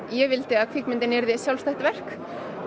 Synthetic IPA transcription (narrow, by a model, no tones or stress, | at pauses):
jɛvɪlt̪ɪaðkʰvɪkmɪnt̪ɪnɪɾðɪsjawlst̪ɛht̪vɛr̥k